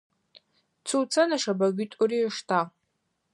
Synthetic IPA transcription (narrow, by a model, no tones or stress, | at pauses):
t͡sʰuwt͡sʰanaʂabaɡʲʷitʼuɾiʂtʰa